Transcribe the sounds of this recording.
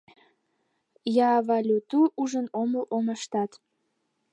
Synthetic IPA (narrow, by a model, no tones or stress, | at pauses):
jɑvɑlʲut̪uʔuʒənoməlʔoməʃt̪ɑt̪